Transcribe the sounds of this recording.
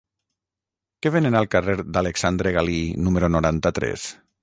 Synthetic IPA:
keβenenalˠkareɾd̪aleksand̪ɾeɣalinumeɾonoɾant̪at̪ɾɛ̰s

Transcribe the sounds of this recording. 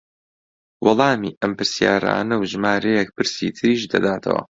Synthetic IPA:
wɑlˠɑːmiːʔɐmpɨɾsjaːɾa̰ːnɐwʒɨmaːɾɐjek̚pɨɾsḭːt̪ʰɨɾiːʃd̪ɐd̪aːt̪ʰɐ̰wɐ̰

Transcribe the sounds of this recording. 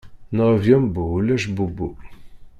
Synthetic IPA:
nəʁvjɔmbulæʃ̬bubu

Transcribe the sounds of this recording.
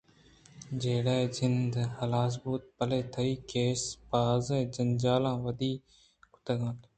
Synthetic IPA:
d͡ʒeːɽaːd͡ʒɪnd̪həlaːs̬buːt̪̚pəleːt̪ʰəiːkeːspaːzẽːd͡ʒənd͡ʒaːlãːʋəd̪iː | kʊ̥t̪əɡãːt̪ː

